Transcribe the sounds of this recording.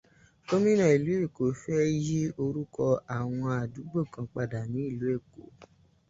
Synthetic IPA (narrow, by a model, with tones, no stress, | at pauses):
ko˦mĩ˦nã˨i˨lu˨˦e˦˨ko˨fɛ˦ji˦o˧ɾu˦kɔ˧a˨w̃ɔ̃˧a˨du˨˦ɡ͡bo˦˨kã˧k͡pa˧da˨nĩ˨˦i˦˨lu˨˦e˦˨ko˨